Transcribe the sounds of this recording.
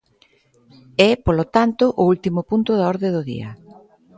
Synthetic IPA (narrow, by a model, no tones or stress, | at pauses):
ɛpolot̪ant̪ʊʔʊult̪imʊpunt̪ʊðaɔɾðeðʊðḭɐ̰